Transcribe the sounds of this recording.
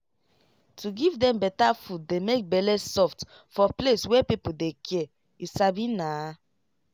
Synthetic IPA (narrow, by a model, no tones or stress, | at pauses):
tʰuɡivdɛ̃mbɛtafut̚demek̚bɛlɛsɔft | fɔpleswɛpipodekʰɛ | isabina